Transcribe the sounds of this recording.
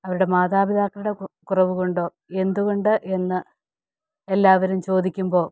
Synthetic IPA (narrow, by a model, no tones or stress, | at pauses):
ɐʋɐɾuɽe̞maːðaːbid̪aːkːɐluɽe̞kurɐʋuko̞ɳɖo̞ː | e̞nd̪uɣo̞ɳɖɨʔe̞nːɨ | elːaːʋɐɾumt͡ɕo̞ːd̪ikʲːumbo̞ː